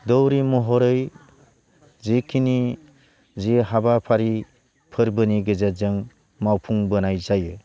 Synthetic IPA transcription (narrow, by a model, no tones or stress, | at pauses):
dɔwɾimɔɦɔɾɯj | zekʰini | ziɦabapʰaɾi | pʰɯɾbɯniɡɯzazɯŋ | mawpʰuŋbɯnajzajɯ